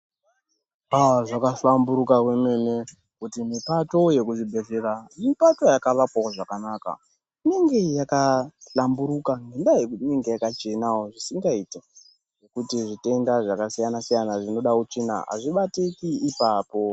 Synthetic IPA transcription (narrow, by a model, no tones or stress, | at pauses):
aʐakasambuɾukakweme̞ne | kutimipato̞je̞kuʐibʱe̞ɮeɾamipatojakaʋakwaoʐakanaka̰ | ine̞ŋɡe̞jakaɬambuɾukaŋɡendajekuineŋɡejakat͡ʃe̞nawoʐisiŋɡaite | ʐe̞kutiʐite̞ndaʐakasijanasijanaʐino̞ɗakut͡ʂina̰ɦa̰ʐiɓatekiːpaːpo̞